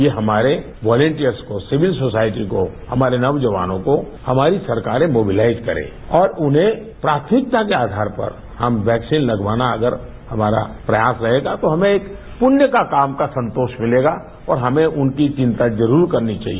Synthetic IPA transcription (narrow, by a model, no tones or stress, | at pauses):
jeɦɐmaːɾe | ʋɔːlə̃ɳʈijəɾskosɪʋɪlsoːsaːɪʈiko | hɐmaːɾenɐʋd͡ʒəʋa̰ːnõko | hɐmaːɾisɐɾkaːɾẽmoːbɪlaːɪzkɐɾḛ̃ː | ɔːɾʊnɦẽ | pɾaːt̪ʰmɪk̚t̪akeaːd̪ʱaːɾpɐ̰ɾ | hɐmʋɛːksiːnlɐɡʋaːnaɐɡəɾ | hɐmaːɾa̰pɾɐjaːsɾɐɦeːɡat̪oɦɐmẽeːk | pʊnjəkakaːmkasɐ̃nt̪oːʃmɪleːɡa | ɔːɾɦɐmẽʔʊnkit͡ʃɪ̃nt̪ad͡ʒɐɾuːɾkɐɾnit͡ʃa̰ːɦiee